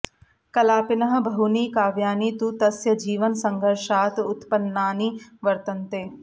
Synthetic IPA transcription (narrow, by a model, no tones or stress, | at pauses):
kɐlaːpɪnɐɦɐ̆bʱɐɦuniːkaːʋjaːniːt̪ut̪ɐsjɐd͡ʒiːʋɐnsɐŋɡʱɐɾʃaːt̪ʊt̪pɐnːaːniʋɐɾt̪ɐnt̪eː